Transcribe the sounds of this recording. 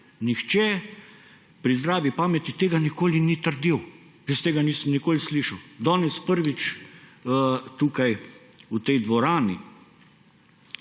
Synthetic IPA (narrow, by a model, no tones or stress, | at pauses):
nixt͡ʃɛ | pɾizd̪ɾaːʋipaːmɛt̪it̪eːɡanikoːlinit̪əɾd̪iw | jəst̪eːɡaniːsəmnikoːlisliːʃɐwd̪ɔːnɛspəɾʋit͡ʃː | t̪uːkaj | ut̪ɛjd̪ʋɔɾaːnḭ